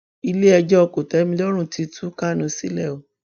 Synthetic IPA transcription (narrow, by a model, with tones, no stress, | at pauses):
i˧le˦ɛ˧d͡ʒɔ˦ɔ˧ko˨tɛ˨˦mĩ˧˦lɔ˦ɾ̃ũ˦˨ti˧tʰu˦ka˦˨nũ˧si˦lɛ˦˨o˨